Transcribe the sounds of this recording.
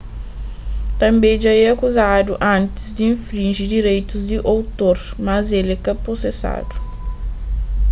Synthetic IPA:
t̪ɐ̃mbẽd͡ʒaɛɐkuzad̪uʔɐ̃nt̪ɪ̥zd̪iĩfɾĩnʒid̪iɾejt̪uzd̪iʔowt̪oɾmɐzelɛkɐposesa̰d̪u̥

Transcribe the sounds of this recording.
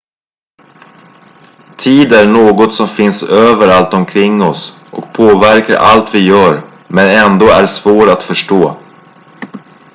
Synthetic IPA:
t̪ʰiːd̪æɳoːɡɔt̪sɔmfɪnsøːvəɾalt̪ɔmkʰɾɪŋːɔs | ʔɔk̚pʰoːvæɾka̰ɾʔa̰lt̪vɪjœːɾ | mɛnɛnd̪oːæɖsvoːʈat̪fœʂʈoː

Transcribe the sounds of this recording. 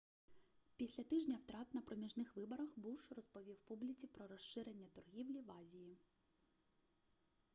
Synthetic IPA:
pʲisʲlʲɐt̪ɪʒnʲɐwt̪ɾɑt̪nɐpɾɔmʲiʒnɪxʋɪbɔɾɐxbuʃrɔspɔʋʲiwpublʲit͡sʲipɾɔɾɔʃɪɾenʲːɐt̪ɔrɦʲiwlʲiʋɑzʲiji

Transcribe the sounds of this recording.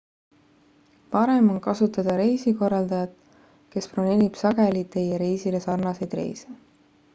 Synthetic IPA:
pɑɾe̞mo̞nkɑsut̪ːˑɑd̪̥ɑɾe̞jsiko̞rːɑld̪ɑjɑt̪ˑ | ke̞spronelʲib̥sɑɡe̞lit̪ːe̞jeɾe̞jsile̞sɑrnɑsejd̪̥re̞̰jse

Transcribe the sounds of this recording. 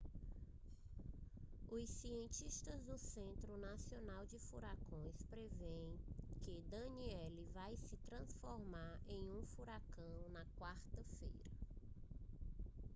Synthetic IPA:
ʊssiẽnt͡ʃiʃt̪ɐzd̪ʊsẽnt̪ɾʊnasionawd͡ʒɪfuɾakõj̃spɾevẽj̃kɪd̪ɐ̃niɛlɪvajsɪt̪ɾɐ̃sfoɾmaɾẽj̃ũfuɾakɐ̃w̃nɐkwaɾt̪ɐfḛjɾɐ

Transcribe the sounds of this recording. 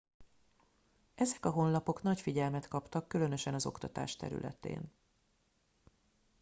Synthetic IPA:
ʔɛzɛkɒɦo̞nlɒpo̞kn̪ɒcfiɟɛlmɛt̪kɒpt̪ɒkːylø̞nø̞ʃɛnɒzo̞kt̪ɒt̪a̰ːʃt̪ɛ̰ɾy̰lʔɛ̰t̪ḛːn

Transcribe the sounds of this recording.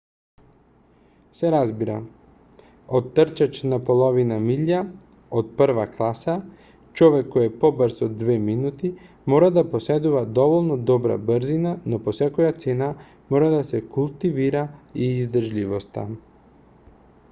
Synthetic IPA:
seɾazbiɾa̰ | od̪t̪ːr̩t͡ʃat͡ʃnapolˠoʋinamiʎa | od̪pr̩ʋaklˠasa | t͡ʃoʋekːojepo̞bɾzod̪ːʋeːminut̪i | mo̞ːɾad̪apo̞sed̪uʋad̪o̞ʋolnod̪o̞bɾa̰bɾzinano̞posakojat̪seːna | mo̞ːɾad̪asekulˠt̪iʋiɾaiːzd̪rʒʎʲiʋost̪a̰

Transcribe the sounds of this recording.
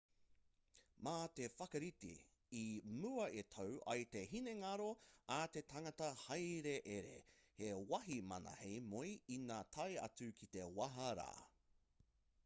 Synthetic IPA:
maːt̪efɐkɐɾit̪ḭ | imuɐʔet̪ʰowʔɐ̰jt̪e̞ɦineŋɐɾoat̪e̞t̪ʰaŋɐtɐhɐjɾe̞ʔeɾḛhewɐɦimɐ̰nɐ̰hejmojinaːt̪ʰɐjɐ̰t͡sʉkʰit̪e̞wɐɦɐɾa̰ː

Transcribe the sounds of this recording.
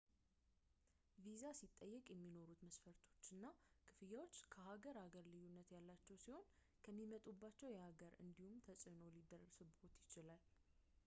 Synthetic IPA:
vizasit̪ʼːəjːɛkʼjɛmːino̞ɾut̪məsfəɾt̪ʰo̞t͡ʃːɨnːakʰɨfɨjawot͡ʃːkʰəhaɡəɾhaɡəɾlɨjːunːət̪jalːat͡ʃːɛwsiho̞n | kʰəmːimət̪ʼubːat͡ʃːɛwjɛhaɡəɾɨ̰nd̪ihumt̪ʰəsʼɨnolid̪ərːəsɨbhot̪jɪt͡ʃɪlal

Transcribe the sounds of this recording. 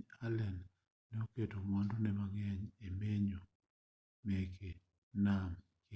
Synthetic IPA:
alɛnː | ɛoketomɔndɔnɛmaŋɛɲemeɲo | mɛke | nam | k

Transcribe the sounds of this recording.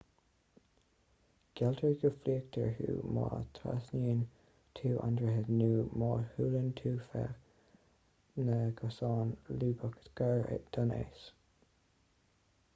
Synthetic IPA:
ɡ̥ɛltʰəɹɡəfliːək̚t̪ʰə̰ɹhṵːmɑ̰ːt̪ʰɾa̰sniːn | t̪ʰuːʔa̰ndɹəɦɪdnuːmɑːhuːlənt̪ʰuːfɛ̰ | nəɡəsɑːnluːbəkə̥tɡ̥aɹḛd̪̥anḛːs

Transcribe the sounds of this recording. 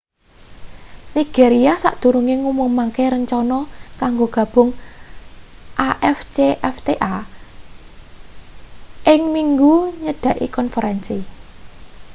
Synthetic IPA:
niɡ̥eɾiasa̰ʔd̪̥ṳɾuŋeŋumʊŋmaŋkeɾəɲt͡ʃɔnɔkaŋɡoɡ̥ä̤b̥ʊ̤ŋ | ʔaʔɛft͡ʃeʔɛft̪eʔa | ʔɪŋmiŋɡuɲəɖ̥a̤ʔḭkɔnfəɾɛnsi

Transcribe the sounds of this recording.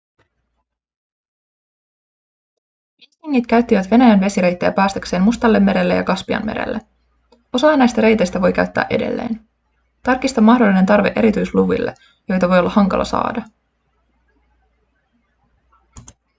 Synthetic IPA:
ist̪iŋːit̪kæɥt̪ːiʋæt̪ʋe̞næjænʋe̞siɾe̞jt̪ːejæ̰pæːst̪ækse̞ːmmust̪ɑlːe̞mːe̞ɾelːe̞jɑ̰kɑspiɑ̰nme̞ɾḛlːe | o̞sɑɑnːæjst̪æɾe̞jt̪e̞jst̪æʋo̞jkæɥt̪ːæ̰ːʔede̞̰lːe̞̰ːn | t̪ɑrk̟ːist̪ɑmːɑhdo̞lːine̞nt̪ɑrʋeʔe̞ɾit̪yjsluʋḭlːe | jo̞jt̪ɑʋo̞jolːɑhɑŋkɑ̰lɑ̰sɑ̰ːdɑ

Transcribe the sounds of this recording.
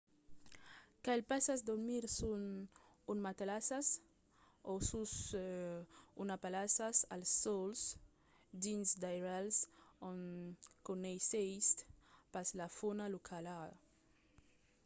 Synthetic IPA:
kaelpasazd̪uɾmiɾsun | unmat̪alasas | osus | unapalasasalsːɔls | d̪insd̪ajɾalsonkonejsejst̪paslafonalukʰala

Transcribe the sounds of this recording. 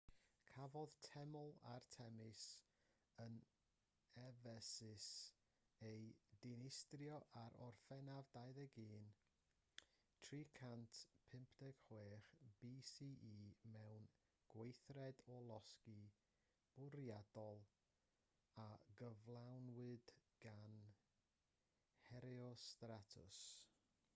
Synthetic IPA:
kʰavɔðtʰɛmʊlˠa̰rtʰɛmɪs | ən | ɛvɛsɪs | ejdɪnɪstrjɔʔaɾɔrfɛnavdajðɛɡiːn | tʰrikʰantpʰɪmpʰdɛɡ̥χweːχb̥iːsiʔiːmɛwn | ɡ̥wejθrɛdɔlˠɔski | b̥ʊɾjad̥ɔlˠ | aɡəvlˠawnwɨd̥ | ɡ̥an | hɛɾɛɔstɾatʰʊ̰s

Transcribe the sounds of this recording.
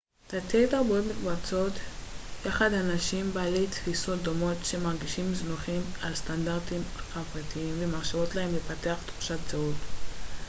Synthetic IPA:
t̪atʰedaʁbuotmikbat͡so̞t̪jaχad̪hanaʃimbaːle̞jtfiso̞t̚d̪o̞mo̞tʃe̞maʁɡiʃimznuχimalstandaʁtimχavʁatiimvemaʁʃavo̞tlahe̞mlefate̞aχt̪χu̥ʃat̚zaut

